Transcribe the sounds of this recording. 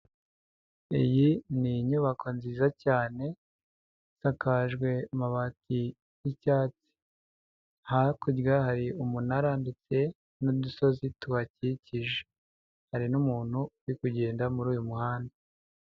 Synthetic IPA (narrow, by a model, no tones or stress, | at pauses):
ḭjiniɲuβakʰo̞nziːzacaːne̞ | sakaʒɡwe̞maβati | jicaːt͡si̥ | hakuɟɡahaɾiumunaɾandit͡se̞ | nuduso̞zituβaciciʒe | haɾinumuːn̥huwikuɟe̞ːndamuɾuːjumuhaːnda